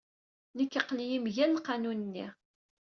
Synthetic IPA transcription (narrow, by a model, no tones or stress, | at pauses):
nəkːəqlijimʝænqːɑnunənːḭ